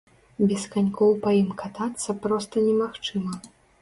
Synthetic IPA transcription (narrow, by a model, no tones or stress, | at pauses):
bʲɛskanʲkɔwpɐjimkat̪at̪sːɐpɾɔst̪ɐnʲɛmaxt͡ʂɨmɐ